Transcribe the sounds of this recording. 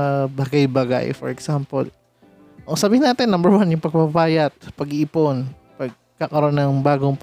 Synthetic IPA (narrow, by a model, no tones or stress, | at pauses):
baɡajbaɡa̰jfɔɹɛksampo̰l | ʔɐŋsɐbiːhɪnːaːt̪ɪnːɐmbɛɹwanjʊŋpɐɡ̚pɐpaːjɐt̪̚pɐɡiʔiːpon | pɐɡ̚ | kakɐɾo̞nːɐŋbaːɡoŋp